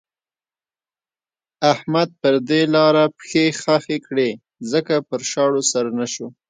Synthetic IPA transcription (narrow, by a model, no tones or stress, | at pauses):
ahmad̪̚pəɾd̪elɑɾapxexaxekɽe | zəkapəɾʃɑɽosaɾanaʃo